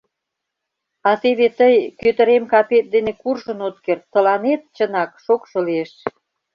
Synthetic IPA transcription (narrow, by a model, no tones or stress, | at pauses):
ɑt̪eβet̪əjkøt̪əɾemkɑpet̪̚d̪enekurʒə̆not̪kert̪ːə̆lɑnet̪̚t͡ɕənɑkʃokʃɤ̆lieʃ